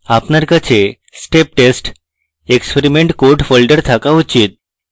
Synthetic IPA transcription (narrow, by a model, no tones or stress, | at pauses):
apnaɾkat͡ɕe | sʈep̚ʈesʈ | ekspeɾimeɳʈkoʈfɔlɖəɾt̪ʰakaut͡ɕiːt̪̚